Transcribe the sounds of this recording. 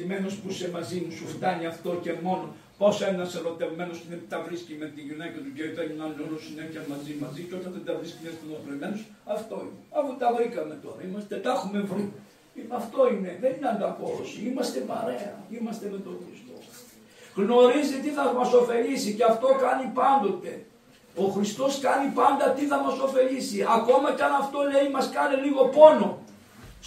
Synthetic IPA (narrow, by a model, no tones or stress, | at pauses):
ime̞nospusemɐzimusuft̪ɐniɐft̪o̞ce̞mo̞no | po̞senɐseɾo̞t̪evme̞nost̪inepit̪ɐvɾiscimet̪iʝinekɐt̪uɟeit̪ɐɲinɐolosineçɐmɐzimɐziceo̞t̪ɐnðed̪ɐvɾiscimest̪onɾot̪ɾevmenos | ɐft̪o̞ineɐfut̪ɐvɾikɐme̞t̪o̞ɾɐimɐst̪et̪ɐxume̞vɾi | iɐft̪o̞ine̞ðe̞nineɐnd̪ɐpoosimɐst̪e̞pɐɾe̞ɐ̰imɐst̪e̞me̞t̪o̞xɾist̪o̞̰s | ɣno̞ɾizit̪iθɐmɐso̞fe̞lisiceɐft̪o̞kɐnipɐnd̪o̞t̪e̞ | o̞xɾist̪o̞skɐnipɐnd̪ɐt̪iθɐmɐso̞fe̞ʎisiɐko̞mɐceɐnɐft̪o̞leimɐskɐneliɣo̞po̞no̞